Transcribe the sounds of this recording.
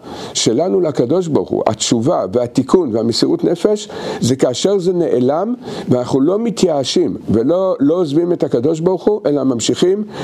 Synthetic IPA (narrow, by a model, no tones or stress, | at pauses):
ʃe̞lanuleakado̞ʃ̬baʁχṵa̰tt͡ʃuvaveat̪ikʰunveamesiʁutne̞fe̞ʃzekaːʃe̞ʁzene̞ʔelamveanaχnulo̞mit̪jaːʃimvelolo̞ozvimethakado̞ʃ̬baʁuχuʔe̞lamamʃiχim